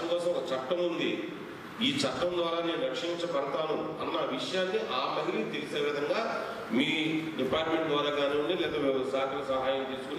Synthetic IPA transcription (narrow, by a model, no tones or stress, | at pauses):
ɐmkɔːsɐ̃mɐkɐt͡ʃɐʈːɐmund̪i | iːt͡ʃɐʈːɐmd̪ʋaːɾaːneːnuɾɐkʂiɲt͡ʃɐpɐɽɐt̪aːnuɐnːɐʋiʂɐjaːnːiʔaːmɐɦiɾilit̪elise̞ːʋid̪ʱɐŋɡaː | miːɖipaːɾʈmeɳʈd̪ʋaːɾaːkaːneːuɳɖilɛːd̪oːʋisaːkɐlɐsɐɦaːjɐmt͡ʃ̪eːsu̥kunː